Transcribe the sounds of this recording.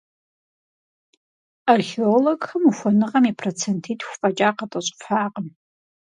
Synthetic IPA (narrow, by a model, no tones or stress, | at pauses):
arxeoloɡxɐmuxʷɔnɨʁɐmipʰrot͡sʰentʰiːtʼxʷfʼɐt͡ʃʼaːqɐtʼɐɕʼfħaːqəm